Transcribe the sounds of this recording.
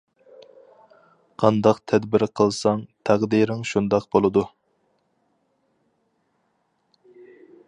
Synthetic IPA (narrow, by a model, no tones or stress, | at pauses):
qʰɑnd̪ɑqt̪ʰɛd̪bɪɾqʰəlˠsɑŋt̪ʰæʁd̪iɾɪŋʃund̪ɑqbolˠɨd̪u